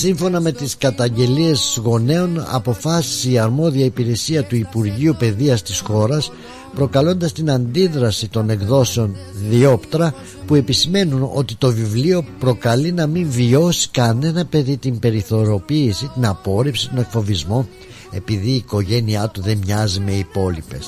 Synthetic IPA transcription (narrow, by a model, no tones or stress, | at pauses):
siɱfo̞nɐme̞t̪iskɐt̪ɐɲɟe̞lie̞zɣo̞ne̞o̞nɐ̰po̞fɐsi̥sːɐɾmo̞ðiɐipiɾe̞siɐt̪uipuɾʝiupe̞ðiɐst̪isxo̞ɾɐs | pɾo̞kɐlo̞nd̪ɐst̪inɐnd̪iðɾɐsit̪o̞ne̞kðo̞seo̞nðio̞pt̪ɾɐ | pue̞pisime̞nuno̞̰t̪it̪o̞vivlio̞pɾo̞kɐlinɐmiɱvio̞si̥kɐne̞nɐpe̞ðit̪imbe̞ɾiθo̞ɾo̞piːsit̪inɐpo̞ɾipsi̥t̪o̞ne̞kfo̞vizmo | e̞piðiːko̞ʝe̞niɐt̪uðe̞mmɲɐzime̞ipo̞lipe̞s